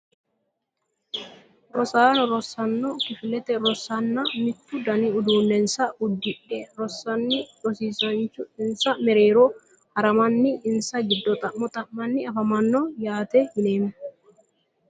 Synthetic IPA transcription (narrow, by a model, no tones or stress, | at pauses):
ɾɔsaːnɔɾɔsːɐnːokɪfɪlɛt̪ɛɾɔsɐnːɐmɪt̪ːʊd̪ɐniʊd̪uːnːɛnsɐʊd̪ːɪʔɛɾɔsːɐnːɪᶑɔsiːsɐnt͡ʃʊɪnsɐmɛɾe̞ːɾo | hɐɾɐmɐnːɪɪnsɐɡɪd̪ːɔt̪ʼɐʔːɔt̪ʼɐʔmːɐnːɪɐfɐmɐnːɔjaːt̪ehɪneːmɛ